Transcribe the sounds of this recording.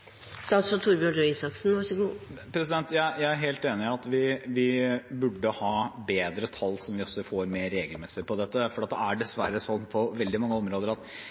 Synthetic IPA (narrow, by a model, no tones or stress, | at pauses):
st̪ɑːt̪sɔt̪ʰuːɾbjʉɖøisɑksn̩ʋɑsɛɡuːpʰɾɛsɪd̪ɛnt̪jæɪjæɪæɾɦeːlt̪eːnɪɑt̪ʋɪʋɪbʉɖːəhɑːbeːd̪ɾət̪ʰɑlːsɔmʋɪɔsːɔfoːɾmeːɾːeːɡəlmɛsɪpʰɔd̪ɛt̪ːəfɔɾɖiɑt̪ːəæɖɛsʋæɾːəsɔnːpʰɔʋɛld̪ɪmɑŋːəɔmɾoːd̪əɾɑt̪